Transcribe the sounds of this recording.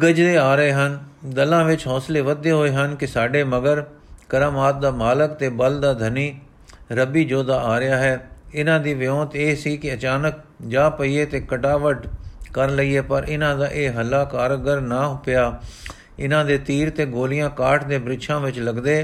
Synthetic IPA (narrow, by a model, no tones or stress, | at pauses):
ɡəd͡ʒd̪eːaːɾəeːɦənd̪əlãːʋɪt͡ʃɦɔːsleːʋəd̪eːɦoːeːɦənkɪsaːɖeːməɡəɾkəɾaːmaːt̪̚d̪aːmaːləkt̪eːbəld̪aːd̪ʱəniː | ɾəbiːd͡ʒoːd̪aːaːɾɪjaːɦɛːɪnãːd̪iːʋɪjõːt̪eːsiːkɪət͡ʃaːnək̚ | d͡ʒaːpəiːeːt̪eːkəʈaːʋəʈkəɾləiːɦɛːpəɾʔɪnãːd̪aːʔeːɦəlaːkaːɾɡəɾnaːɦpɪjaː | ɪnãːd̪eːt̪iːɾt̪eːɡoːlɪjãːkaːʈʰd̪eːbɾɪtʃʰãːʋɪt͡ʃləɡd̪eː